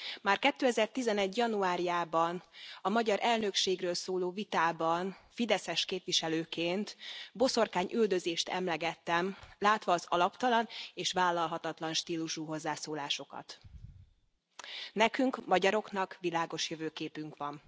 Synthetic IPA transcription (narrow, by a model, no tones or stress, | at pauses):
maːrkɛt̪ːøːɛzɛrt̪izɛnɛɟjɒnuaːɾijaːbɒnɒmɒɟɒɾʔɛlnø̞kʃeːɡrøːlsoːloːvit̪aːbɒnfid̪ɛsɛʃkeːpʋiʃɛløːkeːnt̪bo̞so̞rkaːɲʔyld̪ø̞zeːʃt̪ɛmlɛɡɛt̪ːɛmlaːt̪ʋɒːzɒlɒpt̪ɒlɒneːʃʋaːlːɒlɦɒt̪ɒt̪lɒnʃt̪iːluʃuɦo̞zːaːsoːlaːʃo̞kɒ̰t̪ | nɛkyŋkmɒɟɒɾo̞knɒkʋilaːɡo̞ʃjøvøːkeːpyŋkʋɒn